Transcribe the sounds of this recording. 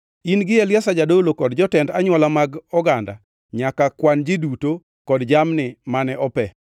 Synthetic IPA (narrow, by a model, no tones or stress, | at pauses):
inɡɪjɛljasad͡ʒadolokɔdd͡ʒɔtɛndaɲwɔlamaɡɔɡanda̰ | ɲakakwand͡ʒɪduto | kɔdd͡ʒamnɪmanɛʔɔpɛ